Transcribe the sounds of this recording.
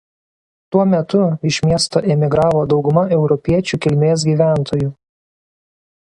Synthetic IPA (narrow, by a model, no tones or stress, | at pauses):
t̪uɔmʲɛt̪ʊɪʃʲmʲiɛst̪oːʔɛmʲɪɡɾɑːʋoːd̪ɒʊɡʊmɐʔɛʊɾɔpʲiɛt͡ʃʲuːkʲɪlʲmʲeːs̬ɡʲiːʋʲæˑnt̪ʰoːju